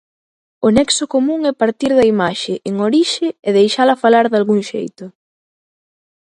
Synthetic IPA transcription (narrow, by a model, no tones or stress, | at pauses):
ʊnɛksʊkomũŋɛpaɾt̪iɾðɐimaʃɪʔeŋoɾiʃɪɛðejʃalɐfalaɾðalɣuŋʃḛjt̪ʊ